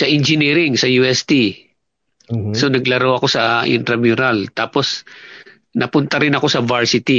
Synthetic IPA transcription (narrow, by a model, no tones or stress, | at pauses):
sɐʔɪnd͡ʒɪniːɾɪŋsɐjuːɛst̪i | sonɐɡlɐɾawɐko̞sɐʔɪ̰nt̪ɾɐmjuɾalt̪aːpos | nɐpʊnt̪ɐɾɪnɐko̞sɐvaɹsɪt̪i